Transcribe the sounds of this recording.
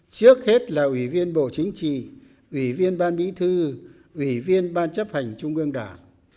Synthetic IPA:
t͡ɕɨ˦˥ək̚he˦˥t̚laː˨˩ʔwi˧˩vi˧ənɓo̰˧˨t͡ɕï˨˦ŋ̟t͡ɕḭ˧˨ | ʔwi˧˩vi˧ənɓaː˧nɓḭ˧˥t̪ʰɨ˧ | ʔwi˧˩vi˧ənɓaː˧nt͡ɕə˦˥p̚ha˨˩jŋ̟t͡ɕʊ˧ŋ͡mʔɨ˧əŋɗaː˧˩ŋ

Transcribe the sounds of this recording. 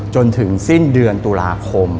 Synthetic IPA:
t͡ɕo˧nt̪ʰɯ˩˦ŋsi˥˩ndɯ˧ənt̪uː˧laː˧kʰo˧m

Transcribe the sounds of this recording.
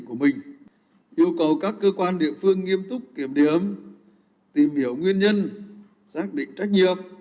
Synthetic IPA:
ku˧˩əmï˨˩ŋ̟ | ʔi˧əwkə˨˩wkaː˦˥kːəː˧kwaː˧nɗḭ˧˨əfɨ˧əŋːi˧əmt̪ʊ˦˥k͡p̚ki˧˩əmɗi˨˩əm | t̪i˨˩mhi˧˩əwŋwi˧ənɲə˧n | saː˦˥k̚ɗḭ̈˧˨ŋ̟t͡ɕa˦˥k̚ɲi˧˨ət̚

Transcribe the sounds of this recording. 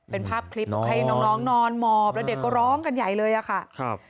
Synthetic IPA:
pe˧npʰaː˥˩p̚kʰli˦˥p̪ɔ˨˩kʰa˧jnɔː˦˧ŋnɔː˦˥ŋnɔː˧nmɔː˧˩p̚lɛ˦˥wde˨˩kːɔː˥˩ɾɔː˦˥ŋka˧nja˨˩jlɤː˧jʔa˨˩kʰa˥˩ʔk̚ʰ

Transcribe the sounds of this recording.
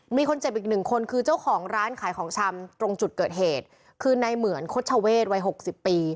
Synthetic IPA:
miː˧kʰo˧nt͡ɕe˨˩p̚ʔiː˨˩k̚nɯ˨˩ŋkʰo˧nkʰɯː˧t͡ɕa˥˩wkʰɔː˩˦ŋɾaː˦˥nkʰaː˩˦jkʰɔː˩˦ŋt͡ɕʰa˧mt̪ɾo˧ŋt͡ɕu˨˩t̪̚kɤː˨˩t̪̚ɦeː˨˩t̪̚ | kʰɯː˧na˧jmɯ˩˦ənkʰo˦˥t̪̚t͡ɕʰa˧weː˥˩t̪̚wa˦˥jɦo˨˩k̚si˨˩pːiː˧

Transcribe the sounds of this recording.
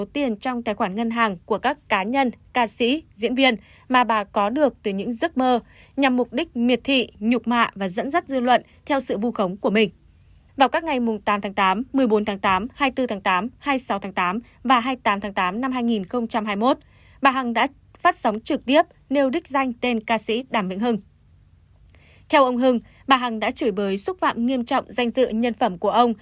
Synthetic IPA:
o˨˦t̪i˧ənt͡ɕɔ˧wŋ͡mt̪aː˨˩jxwaː˧˩nŋə˧nɦaː˨˩ŋku˧˩əkaː˦˥kːaː˨˦ɲə˧nkaː˧sḭ˧˥zḭ˧˥ənvi˧ən | maː˨˩ɓaː˨˩kɔ˨˦ɗɨ˨˩ək̚t̪ɨː˨˩jɲɨ̰˧˥ŋzɨ˦˥t̚məː˧ | ɲa˨˩mːʊ˨˩k͡p̚ɗï˦˥k̟̚mi˨˩ət̚t̪ʰḭ˧˨ɲʊ˨˩k͡p̚ma̰ː˧˨vaː˨˩zə̰˧˥nzə˦˥t̚zɨ˧lwə̰˧˨n | t̪ʰɛ˧wsɨ̰˧˨vu˧xə˨˦wŋ͡mku˧˩əmï˨˩ŋ̟ | vaː˨˩wkaː˦˥k̚ŋa˨˩jmʊ˨˩ŋ͡mt̪aː˨˦mt̪ʰaː˨˦ŋt̪aː˨˦mːɨ˨˩əjɓo˨˦nt̪ʰaː˨˦ŋt̪aː˨˦mhaː˧jt̪ɨ˧t̪ʰaː˨˦ŋt̪aː˨˦mhaː˧jsa˨˦wt̪ʰaː˨˦ŋt̪aː˨˦m | vaː˨˩ɦaː˧jt̪aː˨˦mt̪ʰaː˨˦ŋt̪aː˨˦mna˧mɦaː˧jŋi˨˩nxə˧wŋ͡mt͡ɕa˧mɦaː˧jmo˦˥t̚ | ɓaː˨˩ɦa˨˩ŋɗa̰ː˧˥ | faː˦˥t̚sa˨˦wŋ͡mt͡ɕɨ˨˩k̚t̪i˦˥əp̚ne˧wɗï˦˥k̟̚za˧jŋ̟t̪e˧nkaː˧sḭ˧˥ɗaː˧˩mvḭ˧˥ŋhɨ˧ŋ | t̪ʰɛ˧wʔə˧wŋ͡mɦɨ˧ŋ | ɓaː˨˩ɦa˨˩ŋɗa̰ː˧˥t͡ɕɨː˧˩jɓəː˨˦jsʊ˦˥t̚fa̰ː˧˨mŋi˧əmt͡ɕɔ̰˧˨wŋ͡mza˧jŋ̟zɨ̰˧˨ɲə˧nfə˧˩mku˧˩əʔə˧wŋ͡m

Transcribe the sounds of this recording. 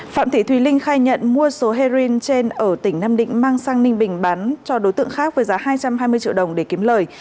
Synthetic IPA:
fa̰ː˧˨t̪ʰḭ˧˩t̪ʰwi˨˦lï˧ŋ̟xaː˧jɲə̰˧˨nmu˧əso˨˦ɦe˧zi˧nt͡ɕe˧nʔəː˧˩t̪ï˧˩ŋ̟naː˧mɗḭ˧˨ŋ̟maː˧ŋsaː˧ŋnï˧ŋ̟ɓï˨˩ŋ̟ɓa˨˦nt͡ɕɔ˧ɗo˨˦jt̪ɨ̰˧˨əŋxaː˦˥k̚vəː˨˦jzaː˨˦ɦaː˧jt͡ɕa˧mhaː˧jmɨ˧əjt͡ɕḭ˧˨wɗə˨˩wŋ͡mɗe˧˩ki˨˦əmləː˨˩j

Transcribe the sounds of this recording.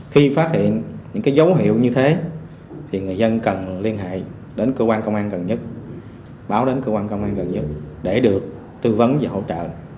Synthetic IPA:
xi˧faː˦˥t̚hḭ˧˨ənɲɨ̰˧˥ŋkaː˨˦jzə˨˦wɦḭ˧˨əwɲɨ˧t̪ʰe˨˦ | t̪ʰi˨˩ŋɨ˨˩əjzə˧nkə˨˩nli˧ənɦḛ˧˨ | ɗe˨˦nkəː˧kwaː˧nkə˧wŋ͡mʔaː˧nɣə˨˩nɲə˦˥t̚ | ɓaː˨˦wɗe˨˦nkəː˧kwaː˧nkə˧wŋ͡mʔaː˧nɣə˨˩nɲə˦˥t̚ɗe˧˩ɗɨ˨˩ək̚ | t̪ɨ˧və˨˦nvaː˨˩ɦo̰˧˥t͡ɕə̰ː˧˨

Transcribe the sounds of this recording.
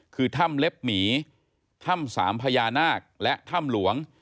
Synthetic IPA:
kʰɯː˧t̪ʰa˥˩mle˦˥p̚miː˩˦ | t̪ʰa˥˩msa̰ː˩˦mpʰa˧jaː˧naː˥˩k̚lɛ˦˥ʔt̪ʰa˥˩mlu˩˦əŋ

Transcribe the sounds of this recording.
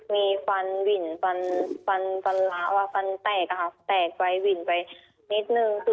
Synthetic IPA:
miː˧fa˧nwi˨˩nfa˧nfa˧nfa˧nla˧˥waː˧fa˧nt̪ɛː˨˩k̚ːa˧ka˧˩t̪ɛː˨˩k̚wa˧jwi˨˩npa˨j | ni˦˥t̪̚nɯ˧ŋsu˨˩

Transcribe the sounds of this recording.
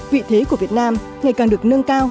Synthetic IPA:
vḭ˧˨t̪ʰe˨˦ku˧˩əvi˨˩ət̚naː˧m | ŋa˨˩jkaː˨˩ŋɗɨ˨˩ək̚nə˧ŋkaː˧w

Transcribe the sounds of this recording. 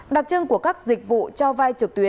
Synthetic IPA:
ɗa˨˩t̚t͡ɕə˧ŋku˧˩əkaː˦˥k̚zï˨˩k̟̚vṵ˧˨t͡ɕɔ˧vaː˧jt͡ɕɨ˨˩k̚t̪wi˨˦ə

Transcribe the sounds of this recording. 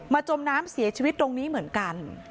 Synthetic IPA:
maː˧t͡ɕo˧mnaː˦˥msi˩˦ɐt͡ɕʰiː˧wi˦˥t̪̚ɾo˧ŋniː˦˥mɯ˩˦ənka˧n

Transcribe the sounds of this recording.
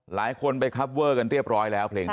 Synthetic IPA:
laː˩˦jkʰo˧npa˧jkʰa˦˥p̚wɤː˥˩ka˧nɾi˥˩əp̚ɾɔː˦˥jlɛː˦˥wpʰleː˧ŋ

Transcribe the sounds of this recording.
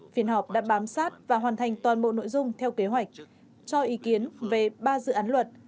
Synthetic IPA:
fi˨˦ənhɔ˨˩p̚ɗa̰ː˧˥ɓaː˨˦msaː˦˥t̚vaː˨˩ɦwaː˨˩nt̪ʰa˨˩jŋ̟t̪waː˨˩nɓo̰˧˨no̰˧˨jzʊ˧ŋ͡mt̪ʰɛ˧wke˨˦ɦwa˨˩jk̟̚ | t͡ɕɔ˧ʔi˨˦ki˨˦ənve˨˩ɓaː˧zɨ̰˧˨ʔaː˨˦nlwə˨˩t̚

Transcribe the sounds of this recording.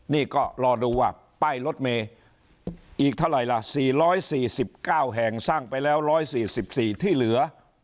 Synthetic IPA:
niː˥˩kɔː˥˩ɾɔː˧duː˧waː˥˩ | pa˧˥˩jlo˦˥t̪̚meː˧ | ʔiː˨˩k̚t̪ʰa˥˩wɾa˨˩jla˧˩siː˨˩ɾɔː˦˥jsiː˨˩si˨˩p̚kaː˥˩wɦɛ˨˩ŋsaː˥˩ŋpa˧jlɛː˦˥wɾɔː˦˥jsiː˨˩si˨˩p̚siː˨˩t̪ʰiː˥˩lɯ˨˩˦ɐ

